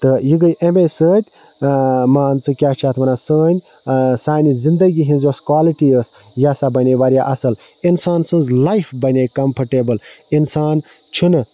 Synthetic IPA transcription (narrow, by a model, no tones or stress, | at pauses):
t̪ɨjiɡəjʔemesəːt̪ʲ | maːnt͡sɨkʲat͡ʃʰaːt̪ʰmɐnasəːnʲ | saːnizind̪ɐɡiɦĩnzoskwaːliʈiəs | jasabɐnʲeʋaɾijaʔɐsɐl | insaːnsɨnzlɐjpʰbɐnʲekɐmpʰɐɾʈebəl | insaːn | t͡ʃʰunɨ